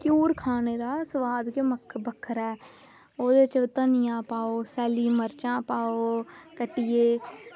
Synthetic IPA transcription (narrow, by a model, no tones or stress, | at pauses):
kuːɾkʰaːneːd̪aːsəʋaːd̪keməkʰbəkʰːəɾɛː | oːd̪eːt͡ʃət̪ənɪjãːpaːoːsɛːliːməɾt͡ʃãːpaːoːkəʈːɪjeː